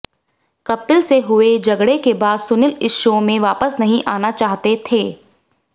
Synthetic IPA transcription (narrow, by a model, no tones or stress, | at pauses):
kɐpːɪlseɦʊed͡ʒɐɡɽekebaːd̪sʊnɪlɪʃõmẽʋaːpəsnɐɦĩʔaːnat͡ʃaːɦt̪et̪ʰeː